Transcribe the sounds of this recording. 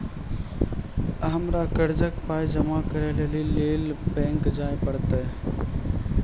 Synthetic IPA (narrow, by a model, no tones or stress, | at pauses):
əɦəmɾakəɾd͡ʒəkpaːjd͡ʒəmakəɾelelileːlpẽːŋkd͡ʒaːepəɽt̪e